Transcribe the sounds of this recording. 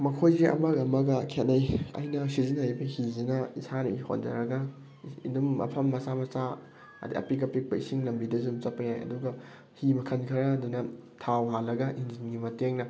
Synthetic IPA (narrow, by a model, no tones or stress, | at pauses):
mɐkʰojziʔɐ̰mɐɡɐmɐɡɐkʰet̚nɐjɐ̰jnɐsizinhajbɐhizinɐisanɐ̰iho̰nd͡ʒɐ̰ɾɐɡɐ | ḭndumɐ̰pʰɐmːɐsamɐsa | ɐ̰dḭʔɐ̰pik̬ɐpik̚pɐisiŋlɐmbidɐzumt͡ʃɐpɐjajɐ̰duɡɐ | himɐkʰɐnkʰɐɾɐːdunɐtʰawɦalːɐɡɐʔinzinɡimɐteŋnɐ